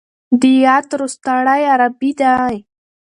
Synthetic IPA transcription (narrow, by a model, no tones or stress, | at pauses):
d̪ijat̪ɾust̪aɽajaɾabid̪aj